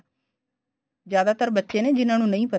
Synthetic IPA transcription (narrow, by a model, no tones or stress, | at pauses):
d͡ʒjaːd̪aːt̪əɾbətːʃened͡ʒɪnãːnũːnɐ̃ĩːpə